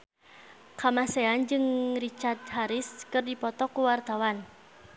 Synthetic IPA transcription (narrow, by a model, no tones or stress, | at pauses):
kamaseand͡ʒɨŋrit͡ʃart̪̚haɾiskɨrdipɔt̪ɔkuwart̪awan